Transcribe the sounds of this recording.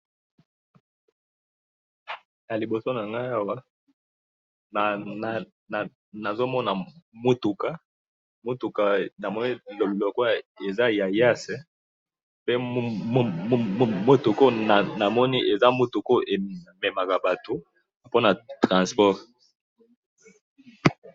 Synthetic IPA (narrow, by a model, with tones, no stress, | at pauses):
ja˨li˨bo˨so˦na˨ŋɡa˦a˦wa˦ | na˨na˨ | na˨ | na˨zo˦mɔ˦na˨mu˦tu˨ka˦ | mu˦tu˨ka˨na˨mɔ˦ni˦llɔ˨ko˦˨e˨za˦ja˨ja˦sɛ˨ | pe˦ | mo˦tu˨ko˦na˨na˨mɔ˦ni˦ʔe˨za˦mu˦tu˨ko˦ʔe˨mɛ˨ma˨ka˨ba˨to˨ | po˦na˨tʁã˨spɔ˦ʁ